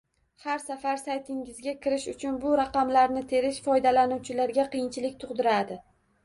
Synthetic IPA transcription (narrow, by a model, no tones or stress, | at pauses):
haɾsafaɾsajt̪ʰɪŋɪzɡʲakʲʰɪɾɪʃʊt͡ʃʰʊnbʊɾaqɑmlaɾnɪt̪ʰe̞ɾɪʃfɒjd̪alanuwt͡ʃʰɪlaɾɡʲaqʰɨjɪnt͡ʃʰɪlɪk̚ʲt̪ʰʊqd̪ɪɾad̪ɪ